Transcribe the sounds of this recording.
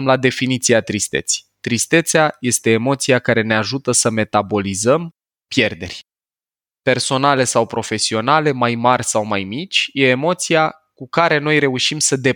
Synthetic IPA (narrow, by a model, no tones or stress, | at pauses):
mlad̪e̞finit̪siat̪ɾist̪e̞̰t̪si̥jt̪ɾist̪e̞t̪seaje̞st̪e̞ːmo̞t̪sijakaɾe̞ne̞aʒut̪əsəme̞t̪abo̞lizəm | pje̞rd̪e̞̰rʲ | pe̞rso̞nale̞sawpɾo̞fe̞sio̞nale̞majmarʲsawmajmit͡ʃʲje̞ːmo̞t̪sija | kukaɾe̞no̞jɾe̞uʃimsəd̪e̞